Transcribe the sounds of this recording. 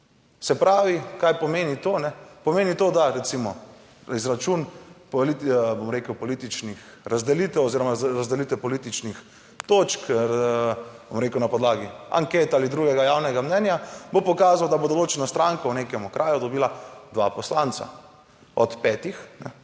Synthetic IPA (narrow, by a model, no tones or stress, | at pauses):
sɛpɾaːʋikajpɔmeːnit̪onɛpɔmeːnit̪oːd̪aɾɛt̪simɔ | izɾat͡ʃunpolit̪bomɾekəwpɔlit̪it͡ʃnix | ɾazd̪ɛlit̪ɛwɔziːɾɔmaɾazd̪ɛliːt̪ɛpɔlit̪it͡ʃnix | t̪oːt͡ʃk | bomɾeːkəwnapɔd̪laːɡia̰ŋkeːt̪aːlid̪ɾuːɡɛɡajaːwnɛɡamnɛnjabopɔkaːzawd̪abod̪oloːt͡ʃɛnast̪ɾaŋkɔwneːkɛmukɾʔaːjud̪ɔbiːlad̪ʋa̰pɔslant̪sa̰ | ɔt̪pɛːt̪ixnɛ̰